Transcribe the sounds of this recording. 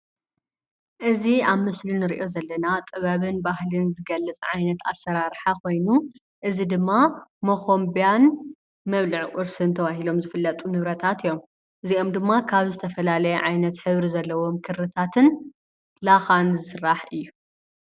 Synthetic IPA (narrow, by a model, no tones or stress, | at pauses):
ʔɨziaβmɨslinɨɾiʔo̞zɐlːɐnat̪ʼɨβaβɨnbahlɨnzɨɡɐlːɨt͡sʼʕajnɐt̪a̰sːɐɾaɾħakʰo̞jnu | ʔɨzid̪ɨmːamoxombijan | mɐβlɨʕʔʼʊɾsɨnt̪ʰɐβaɦilo̞mzɨfɨlːɐt̪ʼunɨβɾɐt̪ʰat̪ijːo̞m | ʔɨzio̞md̪ɨmːakʰaβzɨt̪ʰɐfɐlalɐjɛʕajnɐt̪ħɨβɾizɐlːɐwo̞mkʰɨɾɾɨt̪ʰat̪ʰɨn | laxanzɨsɨrːaħɨjːu